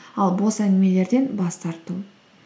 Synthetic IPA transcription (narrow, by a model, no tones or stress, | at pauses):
ɑlˠbo̞sænɪme̞le̞ɾd̪e̞nbɑst̪ɑɾt̪u